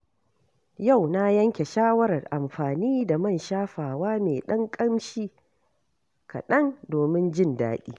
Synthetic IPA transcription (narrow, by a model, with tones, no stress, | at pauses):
ja˦˨wna˦jɐ˦ŋkʲe˨ʃaː˦wɐ˦ɾɐ˨rʔa˨mɸaː˨niː˦da˨mɐ˦˨nʃaː˦ɸaː˨waː˦meː˨ɗɐ˦ŋkʼɐ˦mʃiː˦ | kɐ̰˨ɗɐ˦ŋdoː˨mɪ˦nd͡ʒɪ˦˨nda̰ː˦ɗḭː˦